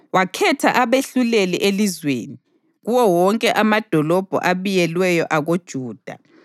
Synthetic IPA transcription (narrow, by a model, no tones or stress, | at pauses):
wakʰɛtʰa̰ʔaβeɬuleliʔelizwḛːni | ɣuwɔwɔŋkʼɛʔamad̥ʱɔlɔb̥ʱɔ̰ʔaβijɛlwɛjɔʔaɣod̥ʒ̥ʱuːd̥ʱa̰